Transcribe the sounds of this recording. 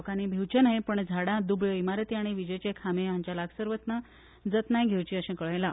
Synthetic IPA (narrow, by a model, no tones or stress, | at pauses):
kanibʱewt͡ɕənajpəɳd͡zʱaɽãd̪ubɭəimaɾət̪iaɽ̃iʋid͡ʑət͡ɕekʰamẽãɲt͡ɕjalaɡsəɾʋət̪na | d͡zət̪najɡʱewt͡ɕiːəɕẽkəɭəjla